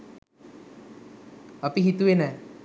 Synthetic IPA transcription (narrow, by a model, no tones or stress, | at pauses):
apiɦit̪uenə